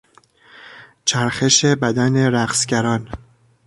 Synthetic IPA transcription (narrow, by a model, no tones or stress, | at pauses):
t͡ʃʰæɾxe̞ʃe̞bæd̪æne̞ɾæqsɟæɾɒːn